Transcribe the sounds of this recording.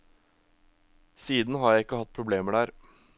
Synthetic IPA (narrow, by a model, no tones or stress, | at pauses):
siːd̪n̩ɦɑɾjæɪɪkːəhɑt̪̚ːpʰɾʊbleːməɖæːɾ